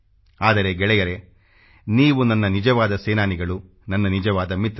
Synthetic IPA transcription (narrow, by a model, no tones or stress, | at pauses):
aːd̪ɐɾe̞ɡɛɭɛjɐɾe̞ | niːʋunɐnːɐnid͡ʒɐʋaːd̪ɐseːnaːniɡɐɭu | nɐnːɐnid͡ʒɐʋaːd̪ɐmit̪